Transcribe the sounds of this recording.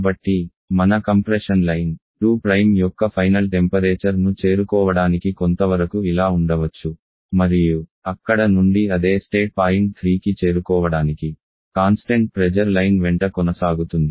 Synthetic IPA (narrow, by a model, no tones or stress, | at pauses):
bɐʈːi | mɐnɐkɐmpɾeʂɐnlɐjnʈuːpɾɐjmjɔkːɐpʰɐjnɐlʈempɐɾeːt͡ʃɐɾnut͡ʃe̞ːɾukɔːʋɐɽaːnikikont̪ɐʋɐɾɐkuilaːuɳɖɐʋɐt͡ʃːu | mɐɾijuɐkːɐɽɐnuɳɖiɐd̪e̞ːsʈeːʈ̚paːjint̪ʰɾiːkit͡ʃe̞ːɾukɔːʋɐɽaːniki | kaːnsʈeɳʈ̚pɾɛd͡ʒɐɾlɐjnʋɛɳʈɐkɔnɐsaːɡut̪und̪i